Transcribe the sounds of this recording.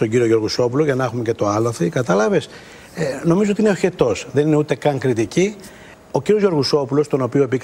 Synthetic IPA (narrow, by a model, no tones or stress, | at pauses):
t̪o̞ɲɟiɾio̞ʝo̞ɾɣuso̞puloʝɐnɐxume̞ce̞t̪o̞ɐlɐθikɐt̪ɐlɐve̞s | no̞mizoot̪ineoçe̞t̪o̞sðe̞nine̞ut̪e̞kɐŋkɾit̪ici | o̞ciɾio̞zʝo̞ɾɣuso̞pulo̞st̪o̞no̞pioepik